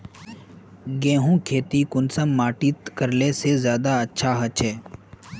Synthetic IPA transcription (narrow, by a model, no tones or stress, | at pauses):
ɡẽːɦũːkʰeːt̪ikʊnsəmːaːʈit̪kəɾlesezjaːd̪aɐtːʃʰaɦɐt͡ʃʰɦɛː